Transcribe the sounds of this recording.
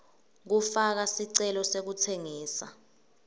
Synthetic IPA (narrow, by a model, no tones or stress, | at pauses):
k̬ufak̬asiǀɛlɔsek̬utʰeŋiːsa̰